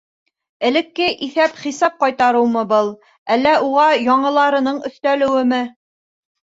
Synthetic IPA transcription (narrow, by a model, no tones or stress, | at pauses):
ɘ̆lɘ̆kːɘʔiθæpχisɑp̚qɑjt̪ɑɾɤwmɤbɤlˠ | ælːæuʁɑjɑɴɤ̆lˠɑɾɤ̆nɤɴɵ̆θt̪ælɘ̆wɘmɘ